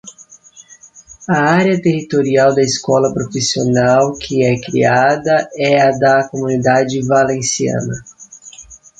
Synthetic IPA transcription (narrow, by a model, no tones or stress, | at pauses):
ɐaɾjɐt̪ehit̪oɾiawd̪ɐɪskɔlɐpɾofisionawkʰɪɛkɾḭad̪ɐɛɐd̪ɐkomunid̪ad͡ʒɪvalẽsiɐ̰̃nɐ